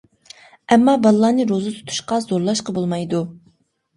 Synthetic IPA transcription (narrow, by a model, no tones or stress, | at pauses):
ɛmːɑbɑlˠlˠɑːnɨɾozɨt̪ʰu̥t̪ʰu̥ʃqɑzoɾlˠɑʃqəbolˠmɑjd̪u